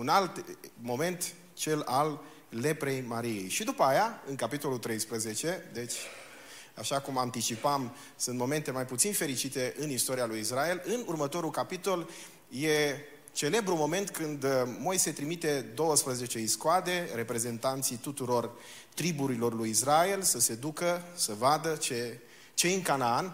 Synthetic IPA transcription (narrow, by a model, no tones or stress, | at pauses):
unalt̪mo̞me̞nt̪ | t͡ʃe̞lalː | e̞pɾe̞jmaɾije̞̰jʃid̪upəajaɨŋkapit̪o̞lut̪ɾe̞jspɾəze̞t͡ʃe̞d̪e̞t͡ʃʲ | aʃakumant̪it͡ʃipam | sɨnt̪mo̞me̞nt̪e̞majput̪sinfe̞ɾit͡ʃit̪e̞ʔɨnist̪o̞ɾialujisrae̞lɨnurmət̪o̞ɾulkapit̪o̞l | je̞ | t͡ʃe̞le̞bɾumo̞me̞nt̪kɨnd̪mo̞jse̞t̪ɾimit̪e̞d̪o̞wəspɾəze̞t͡ʃe̞iskoad̪e̞ɾe̞pɾe̞ze̞nt̪ant̪sijt̪ut̪uɾo̞r | t̪ɾibuɾilo̞rlujisrae̞lsəse̞d̪ukəsəvad̪ət͡ʃe | t͡ʃeɨŋkanaan